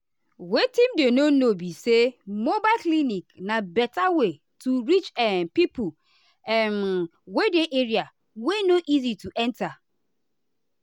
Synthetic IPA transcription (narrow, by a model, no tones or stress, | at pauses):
wetĩmdenonobisemobaɪlkliniknabɛtawe | tuɾit͡ʃɛnpipu | ɛn | wedeʔeɾia | wenoʔizituʔɛ̃nta